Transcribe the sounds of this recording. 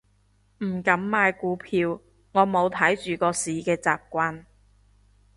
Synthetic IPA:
m̩˨˩kɐ˨˥mːaː˨˧jkuː˨˧˥pʰiː˧w | ŋɔː˨˧mo˨˧wt̪ʰɐ˨˥jt͡ʃyː˨kɔː˧siː˨kɛː˧t͡sa̰ː˨p̚kʷaː˧n

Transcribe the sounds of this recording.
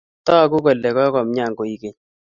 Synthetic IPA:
tɔ˦a˨ku˦kɔ˨lɛ˨kɔ˦kɔ˨mɲa˦˨ŋko˨i˨˦ke˨ɲ

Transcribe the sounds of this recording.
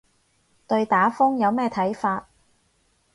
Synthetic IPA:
t̪ɵ˧ɥt̪aː˨˥fʊ˥ŋjɐ˨˧wmɛː˥˧t̪ʰɐ˨˥jfaː˧t̚

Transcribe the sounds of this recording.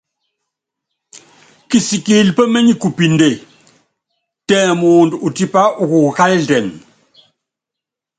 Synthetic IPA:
ki˨si˨ki˦˨lpə˦me˦ɲi˦ku˨pi˨nde˨ | tɛː˦˨˦mu˨ndu˨u˨ti˦pa˦ʔu˦˨ku˨ka˦ldɛ˨n

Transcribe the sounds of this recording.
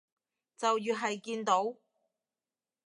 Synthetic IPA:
t͡sɐ˨wjyː˨ɦɐ˨jkiː˧nt̪o˨˥w

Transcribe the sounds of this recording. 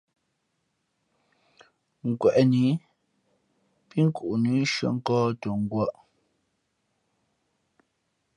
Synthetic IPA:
ŋ̩˨kwɛ˨ʔni˨˦ | pi˦ŋ̩˦ku˨ʔu˨nu˨˦ʃə̰˨ŋ̩˦kɔː˦to˨ŋ̩˨ɡwa˦ʔ

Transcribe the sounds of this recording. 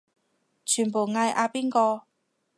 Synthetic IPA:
t͡ʃʰyː˨˩npo˨˩wŋaː˧jʔaː˧piː˥nkɔː˧

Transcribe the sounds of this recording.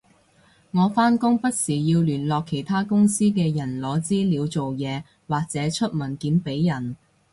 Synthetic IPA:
ŋɔː˨˧faː˥nkʊ˥ŋpɐ˥t̚siː˨˩jiː˧wlyː˨˩nlɔː˨kʰːe˨˩jt̪ʰaː˥kʊ˥ŋsiː˥k̬ɛː˧jɐ˨˩nlɔː˨˧t͡siː˥liː˨˧wt͡so˨wjɛː˨˧ | waː˨k̚t͡sɛː˨˥t͡ʃʰɵ˥t̚mɐ˨˩nkiː˨˥mpe˨˥jːɐ˨˩n

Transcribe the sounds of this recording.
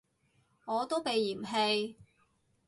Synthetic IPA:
ŋɔː˨˧t̪o˥wpe˨˧jːiː˨˩mɦe˧j

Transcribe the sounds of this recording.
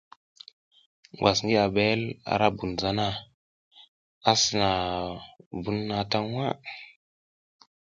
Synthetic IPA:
ŋ˨ɡʷwa˨sŋɡi˦a˨ɓe˦la̰˦ɾa˦bu˨nza˦na˦ | a˦sə˨na˨ | bu˦nːa˨ta˦ŋ˦wa˦

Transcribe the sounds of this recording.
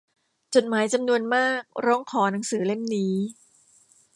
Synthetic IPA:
t͡ɕo˨˩t̪̚maː˩˦jt͡ɕa˧mnu˧ənmaː˥˩k̚ɾɔː˦˥ŋkʰɔː˩˦na˩˦ŋsɯː˩˦le˥˩mniː˦˥

